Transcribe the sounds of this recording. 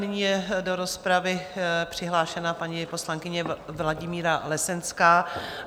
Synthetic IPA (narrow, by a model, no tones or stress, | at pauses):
nɪɲiːjɛdo̞ɾo̞spɾavɪpr̥ɪɦlaːʃɛnapaɲɪpo̞slaŋkɪɲɛvlaɟɪmiːɾalɛsɛnskaː